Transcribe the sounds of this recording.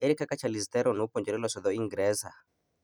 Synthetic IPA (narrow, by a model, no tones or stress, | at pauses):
ɛɾikakat͡ʃalist̪ɛɾɔnopɔɲd͡ʒɛɾɛlɔsɔðɔiŋɡɾɛza